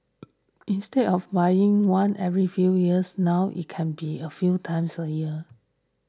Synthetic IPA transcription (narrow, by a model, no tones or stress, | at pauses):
ʔĩnstɛdɔfbajɪ̃ŋwãnʔɛvɹifjujiəsnawʔḭt̚kʰɛ̃nbiəfjutʰãɪ̃msəjiə